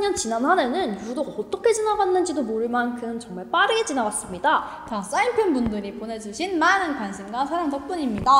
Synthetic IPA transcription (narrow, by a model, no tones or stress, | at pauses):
ɲʌnt͡ɕinanɦane̞nɯnjudoʌt͈ʌkʰe̞t͡ɕinaɡanːɯnd͡ʑidomoɾɯɭmankʰɯmt͡ɕʌŋmaɭp͈aɾɯɡe̞t͡ɕinaɡas͈ɯmɲida | tas͈aimpʰjʌnbundɯɾipone̞d͡ʑuɕʰinmanɯnkwansʰɯmɡasʰaɾamtʌk̚p͈uɲimɲida